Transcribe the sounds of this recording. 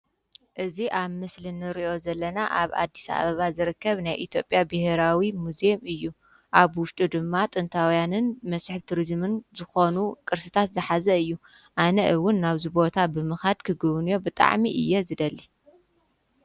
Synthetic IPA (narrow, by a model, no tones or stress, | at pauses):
ʔɨziʔaβmɨslɨnɨɾiʔo̞zɐlːɐnaʔaβa̰d̪ːisa̰βɐβazɨɾɨkːɐβnajʔit̪ʰjo̞pʼjabɨheɾawimuzemɨjːu | ʔaβwʊʃt̪ʼud̪ɨmːat̪ʼɨnt̪ʰawjanɨnmɐsħβt̪ʰuɾizmɨnzɨxo̞nukʼɨɾsɨt̪ʰat̪zɨħazɐɨjːu | ʔanɐʔɨwʊnːaβzibo̞t̪ʰabɨmɨxad̪kʰɨɡɨβnjo̞bɨt̪ʼa̰ʕmiʔɨ̰jːezɨd̪ɐlːi